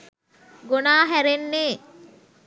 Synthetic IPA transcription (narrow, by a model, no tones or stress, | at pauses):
ɡonaːɦæɾenːeː